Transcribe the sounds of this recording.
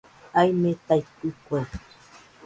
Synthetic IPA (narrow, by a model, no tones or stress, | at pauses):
ajmet̪ajt̪ɨkʷaj